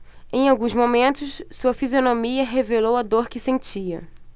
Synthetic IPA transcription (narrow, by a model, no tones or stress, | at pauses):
ẽj̃awɡũzmomẽnt̪ʊssuɐfizionomiɐɦevelowɐd̪oɾkɪsẽnt͡ʃiɐ̰